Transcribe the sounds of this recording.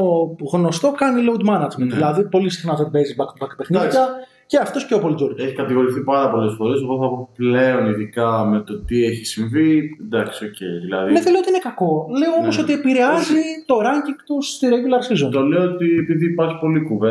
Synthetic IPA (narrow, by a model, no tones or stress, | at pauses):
oɣno̞st̪o̞kɐniloud̪mɐnɐzmenðilɐðipo̞lisi̥xnɐft̪ɐt̪ibezibɐkt̪ubɐkt̪pexniɐ | ce̞ɐft̪o̞sceopolit̪d͡zoɾceçi̥kɐt̪iɣo̞ɾiθipɐɾɐpo̞le̞sfo̞ɾe̞seɣoθɐpople̞o̞niðikɐme̞t̪o̞t̪ieçisiɱvid̪ɐksiocḛjðilɐ̰ðimeðeleot̪iinekɐko̞le̞oo̞mo̞s̬o̞t̪ie̞piɾe̞ɐzit̪o̞ɾɐɲciŋɡt̪ust̪iɾeʝulɐɾsizont̪o̞le̞oot̪iepiðiːpɐɾçi̥po̞likuve